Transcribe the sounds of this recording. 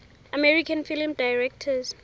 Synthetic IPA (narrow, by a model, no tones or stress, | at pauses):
amɛɹikʰãnfilimdajɹɛk̚tʰəz